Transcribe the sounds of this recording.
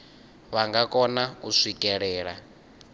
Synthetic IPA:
βaŋɡakʼɔnauʂikʼɛɺɛːɺa̰

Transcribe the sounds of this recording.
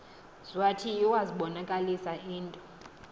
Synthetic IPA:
z̥watʰijiwaziɓɔnakʼalisaʔiːntʼɔ̥

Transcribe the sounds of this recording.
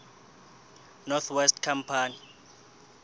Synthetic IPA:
nɔt̪ʰwɛstkʰampʰaːni

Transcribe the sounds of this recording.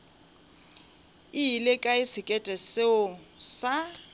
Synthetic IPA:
iilekʼaɪsɪkʼɛtʼɛseʊsa

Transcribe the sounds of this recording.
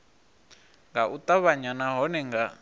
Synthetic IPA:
ŋɡaʔut̪ʼaβaɲanaɦɔnɛŋɡa

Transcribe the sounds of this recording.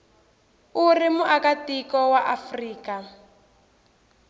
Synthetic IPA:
urimuʔakatikɔwaʔafriːka

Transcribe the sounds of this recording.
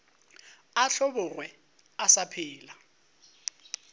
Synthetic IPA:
aɬɔbʊrwɛ | asapʰɪːla

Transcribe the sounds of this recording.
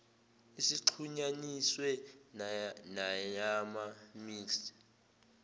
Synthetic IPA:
isiǃʰuɲaniswɛ | naɲamamiːks

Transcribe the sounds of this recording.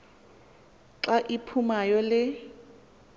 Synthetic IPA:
ǁaʔipʰumajɔlɪ

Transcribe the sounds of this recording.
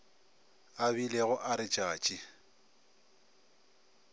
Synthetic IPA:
abileɣʊʔaɾɪt͡ʃʼaːt͡ʃʼɪ

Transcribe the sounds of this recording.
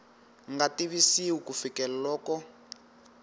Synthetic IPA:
ŋɡatiβisiwukufikɛlalɔːkɔ

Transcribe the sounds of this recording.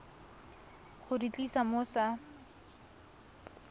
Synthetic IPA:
χʊrit͡ɬʼisamʊsa

